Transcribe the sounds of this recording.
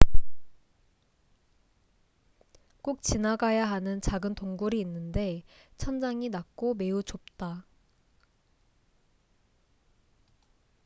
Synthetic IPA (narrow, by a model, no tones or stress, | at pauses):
k͈uk̚t͡ɕinaɡajaɦanɯnt͡ɕaɡɯntoŋɡuɾiːnːɯnde̞t͡ɕʰʌnd͡ʑaŋinak̚k͈ome̞ut͡ɕop̚t͈a